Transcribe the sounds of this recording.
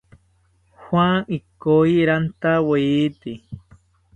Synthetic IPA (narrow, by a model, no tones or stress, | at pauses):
hwaŋikoiɾant̪aweiːt̪i